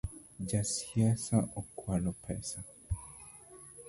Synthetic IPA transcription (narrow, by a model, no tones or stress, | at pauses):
d͡ʒasiasaʔokwalopʰɛsa